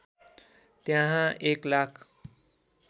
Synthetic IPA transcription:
t̪jãɦãʔeklakʰ

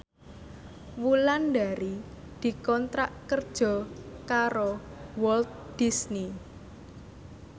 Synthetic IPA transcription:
wulanɖaɾi | d̪̥i̤kɔnt̪ɾaʔkərd̥ʒ̥ɔ̤kaɾowɔlt̪̚ | d̪̥isni

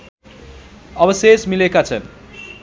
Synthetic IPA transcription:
ʌbʌsesmilekat͡sʰʌ

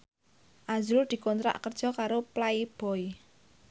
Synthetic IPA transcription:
ʔazuʊld̪̥i̤kɔnt̪ɾa̰ʔkərd̥ʒ̥ɔ̤kaɾoplaib̥ɔ̤i

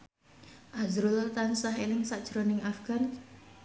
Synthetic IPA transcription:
ʔazɾult̪ansaɦelɪŋsaʔd̥ʒ̥ɾɔnɪŋafɡ̥an

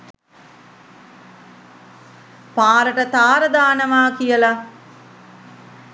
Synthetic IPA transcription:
paːɾəʈət̪aːɾəd̪aːnəmaːkijəla

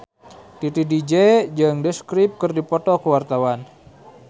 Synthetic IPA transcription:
t̪it̪idid͡ʒed͡ʒɨŋdəskɾip̚kɨrdipɔt̪ɔkəwart̪awan

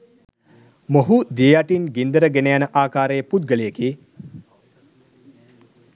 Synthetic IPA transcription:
moɦud̪iejaʈinɡind̪əɾəɡenejanəʔaːkaːɾejəput̪̚ɡəlejeki

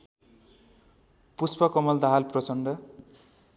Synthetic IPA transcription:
puspʌkʌmʌld̪aɦalprʌt͡sʌɳɖʌ

